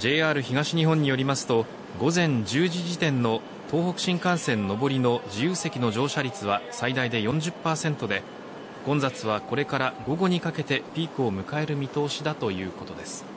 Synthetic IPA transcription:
d͡ʑe̞ːaːɾɯ̟çiɡaɕiɲ̟iɦõ̞ɲ̟ːijo̞ɾʲimasɨ̥t̪o̞ | ɡo̞zẽ̞ɲ̟d͡ʑɨːʑiʑit̪ẽ̞nːo̞ | t̪ʰo̞ːhokɯ̟ɕĩŋkãɰ̃sẽ̞nːo̞bo̞ɾʲino̞d͡ʑijɯːse̞kʲino̞ʑo̞ːɕaɾʲit͡sɨβasaid̪aid̪e̞jõ̞ɲ̟d͡ʑɨpːaːsẽ̞nt̪o̞d̪e̞ | ɡ̥õ̞nd͡zat͡sɨβ̞ako̞ɾe̞kaɾaɡo̞ɡo̞ɲ̟ikake̞t̪e̞pʲiːkɯ̟o̞mɯ̟kae̞ɾɯ̟mʲit̪o̞ːɕid̪at̪o̞jɯ̟ːko̞t̪o̞d̪e̞sɨ̥

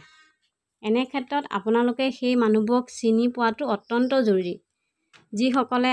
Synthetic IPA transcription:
ɛnɛkʰɛtːɹɔta̰pʊnalʊkɛxejmanubɔksinipʊwatʊɔtːɔntɔzoɹɹi | zixɔkɔlɛ

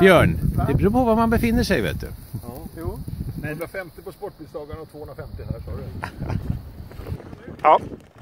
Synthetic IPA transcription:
b̥jœːɳd̪ɛbɾuːpʰɔvamanbɛfɪnːəʂɛjvḛːt̪̚d̪ɵ̰ | nɛd̪ɪvaɾfɛmt̪ɪpɔspɔʈ̚bɪsd̪ɑːɡaɳɔt̪v̥oːhɵnɾafɛmt̪ɪɦæʂɑːɾə | ɑː

